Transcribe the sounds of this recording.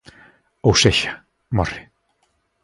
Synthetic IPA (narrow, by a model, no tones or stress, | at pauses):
owseçḁ | mɔr̥ːɪ̥